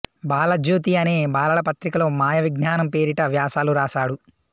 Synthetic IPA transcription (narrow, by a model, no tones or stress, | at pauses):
baːlɐd͡ʒuːt̪̬iɐneːbaːlɐlɐpɐt̪ɾikɐloːmaːjɐʋiɡɲaːnɐmpe̞ːɾiʈɐʋjaːsaːluɾaːsaːɽu